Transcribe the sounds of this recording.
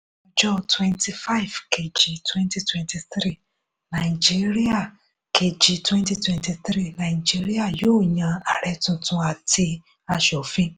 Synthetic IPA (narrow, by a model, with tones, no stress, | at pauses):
ɔ˧d͡ʒɔ˦twɛ̃˧nti˧fa˦i˨vkʰe˨d͡ʒi˨tʰwɛ̃˦nti˦twɛ̃˧nti˧θɾi˦˨ | nã˨i˨d͡ʒi˦ɾi˦a˦˨ | kʰe˨d͡ʒi˨twɛ̃˦nti˧twɛ̃˧nti˧θɾi˦˨nã˨i˨d͡ʒi˦ɾi˦a˦˨joː˦˨ɲã˨a˨ɾɛ˧tũ˧tũ˧a˨ti˧ | a˧ʃɔ˨fĩ˦